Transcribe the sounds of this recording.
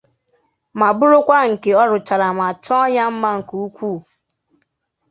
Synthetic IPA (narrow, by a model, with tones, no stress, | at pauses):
ma˨bʊ˦ɾʊ˦kʷa˦ŋ̩˨ke˨ɔ˦ɾʊ˨t͡ʃa˨ɾa˨ma˨t͡ʃɔ˦ja˦m̩˦ma˦ŋ̩˨ku˨u˦kʷu˦˨